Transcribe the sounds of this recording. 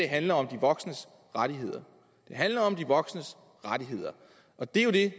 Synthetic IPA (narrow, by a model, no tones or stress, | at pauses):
e̝ɦænlɐɒ̽md̥iʋɒ̽ɡ̥snəs | ʁaɾ̥iɦe̝ð̰ˠɐ | d̥e̝ɦænlɐɒ̽md̥iʋɒ̽ɡ̥snəs | ʁad̥iɦe̝ð̞̰ˠɐ | ʔɒ̽d̥e̝jo̝d̥e̝